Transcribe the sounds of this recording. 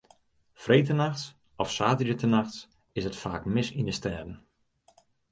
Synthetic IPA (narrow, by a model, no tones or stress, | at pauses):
frejtənaxts | ɔfsaːtəɾətənaxts | ɪsətfaːkmɪsindəstɛːdən̩